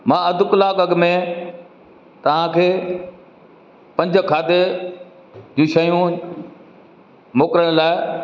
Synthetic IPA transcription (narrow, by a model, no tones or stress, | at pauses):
mãːɐd̪ʱʊklaːkɐɡmẽ | t̪ɐʋ̤ãkʰeː | pɐ̃ɲd͡ʑ̆ʱkʰaːd̪e | d͡ʑũːʃɐjũ | moːkɾəɽ̃laːɪ